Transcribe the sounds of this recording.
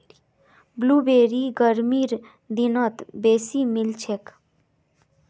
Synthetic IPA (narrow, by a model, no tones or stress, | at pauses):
bluːbeːɾiɡəɾmiːɾ | d̪inət̪beːsimilt͡ʃʰek